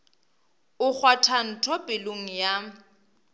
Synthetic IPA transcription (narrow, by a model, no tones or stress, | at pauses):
ʊk͡xʰwatʰan̩tʰɔpʼɪloŋ̩ja